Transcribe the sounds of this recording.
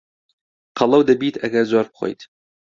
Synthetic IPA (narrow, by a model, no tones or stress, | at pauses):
qʰɑlˠɐwd̪ɐbiːt̪ʰɐɡɐɾzoɾbχʷo̰jt̪